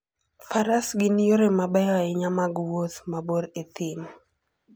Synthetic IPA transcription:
faɾasɡɪnijoɾemabɛjaɛɲamaɡwotmaboɾet̪ɪm

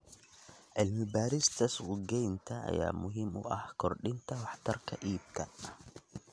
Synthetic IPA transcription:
ʕɪlmɪbaːɾɪst̪ɐswʊɡɛjnt̪ʰɐʔa̰ja̰ːmʊɦɪmʔʊ̰ʔɐhkɔɾɗɪnt̪ɐwɑħt̪ɑɾkʰɐʔiːb̚kʰɐ

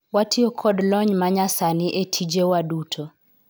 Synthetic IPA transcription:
watʰiɔkʰɔdlɔɲmaɲasanɪʔetʰid͡ʒewadutʰo

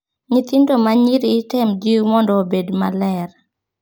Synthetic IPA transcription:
ɲɪt̪indomaɲiɾiːtɛmd͡ʒimɔndɔːbedma̰lɛr

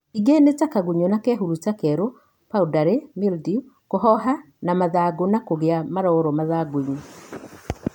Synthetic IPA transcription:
iɡenetakaɣuɲɔnakɛɦuɾutakɛɾo | paudaɾemildiukohɔɦa | namaðaːɡonakoɣeamaɾɔɾɔmaðaɡoiɲo

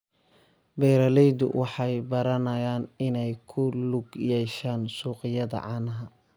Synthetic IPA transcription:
bɛːɾɐlɛjd̪ʊ̰wʔɑħɑjbɐɾɐnɐjaːnɪnɛjkʰʊlʊɡjɛʃaːnsuːqɪjɐðɐ̰ʕɑːnɐɦɐ

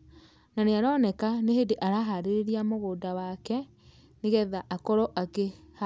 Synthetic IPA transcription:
naneaɾɔnɛkanehedeʔaɾaɦaɾeɾeɾiamoɣoːdawakɛ | neɣɛðaʔakɔɾɔʔakeha

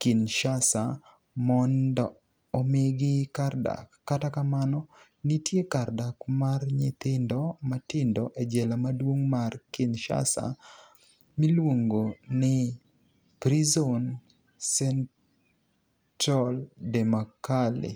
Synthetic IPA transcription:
kɪnʃasa | mɔndɔː | mɪɡɪkarda̰kːatakamanɔ | nitjekardakmarɲɪt̪ɪndɔmatɪndɔʔed͡ʒɛlamadwoŋmarkɪnʃa̰sa̰ | milwoŋɡonɪ | pɾizon | sɛn | tɾaldɛmakalɪ̰

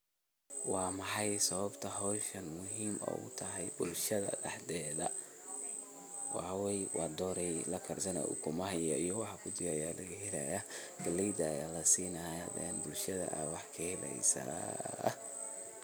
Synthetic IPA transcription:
wɑːmɑħɑjsɐβɐbt̪ʰɐɦɔːʃɐnmʊɦiːmɔ̰ːʊ̰t̪ʰɐɦɛjbʊlʃɐðɐ̰dɑħd̪ɛːðɐ | wɑħɑwɛjwʔɑːd̪ɔːɾɛjlɐkʰɐrsɐnɐ̰ʔʊ̰kʰʊmɐɦɛjɐijɔwɑħɑkʰʊd̪ɪjajaːlɐɣɦɪlɐ̰jɐɡɐlɛjd̪ɐjaːlɐsiːnɐjad̪ɛnbʊlʃɐðɐ̰ʔɐ̰wɑħkʰɐhɪlɛ̰jsa̰

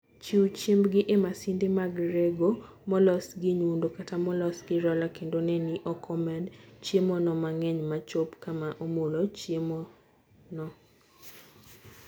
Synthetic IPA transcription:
t͡ʃiwt͡ʃimbɡɪʔemasindemaɡɾeɡo | mɔlɔsɡɪɲundokatamɔlɔsɡɪɾɔlakendonɛnɪʔɔkʰɔmɛdt͡ʃjemɔnɔmaŋɛɲmat͡ʃopkamaʔomolɔt͡ʃjemɔ | nɔ

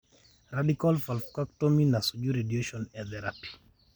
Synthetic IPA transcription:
ɾadikalfalfkaktominasod͡ʒuɾedieʃɔnɛðɛɾapi̥

